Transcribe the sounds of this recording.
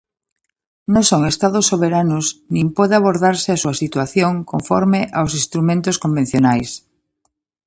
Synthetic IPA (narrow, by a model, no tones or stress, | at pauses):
nõsoŋest̪aðosːoβeɾanʊsnĩmpɔðeaβoɾðaɾsɪasuɐsit̪waθjoŋkoɱfɔɾmeʔaws̬ĩst̪ɾumẽnt̪oskombẽn̟θjonajs